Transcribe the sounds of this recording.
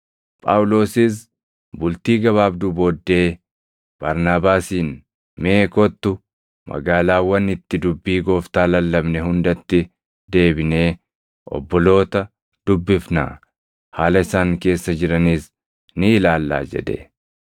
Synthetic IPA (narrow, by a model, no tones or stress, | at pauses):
pʼawʊlo̞ːsɪs̬ | bʊlt̪iːɡɐβaːbd̪ʊboːd̪ːe̞ː | b̥ɐɾnaːbaːsiːn | me̞ːkɔt̪ːʊ | mɐ̰ɡaːlaːwɐnɪt̪ːɪd̪ʊbːiːɡo̞ːft̪aːlɐlːɐbnɛhʊnd̪ɐt̪ːɪ | d̪e̞ːbɪne̞ː | ʔɔ̰bːɔlo̞ːt̪ɐ | d̪̥ʊbːɪfna̰ː | haːlɐɪsaːŋke̞ːsːɐd͡ʒɪɾɐniːs | nɪːlaːlːa̰ːd͡ʒɛ̰d̪ḛ